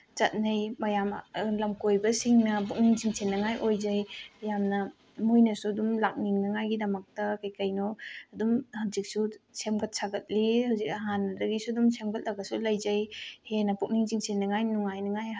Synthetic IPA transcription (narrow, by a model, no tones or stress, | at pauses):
t͡ʃɐt̚nɐjmɐjamlɐmkojbɐsiŋnɐpuk̚niŋziŋsenːɐŋajʔojzɐjjamnɐ | mujnɐsuɐdumlak̚niŋnɐŋajɡidɐmɐk̚tɐkɐjkɐjnoɐdumhazik̚susemɡɐt̚saɡɐt̚lihawzik̚ɐɦanːɐdɐɡisuɐdumsemɡɐt̚lɐɡɐsulɐjzɐjhenɐpuk̚niŋziŋsenːɐŋajnuŋajnɐŋaj